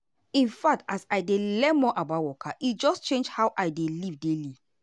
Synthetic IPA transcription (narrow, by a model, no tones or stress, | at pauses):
ĩnfak̚tasaɪdelɛnmɔʔabawɔkʰaʔitd͡ʒɔst͡ʃẽnd͡ʒhawʔaɪdelivdeli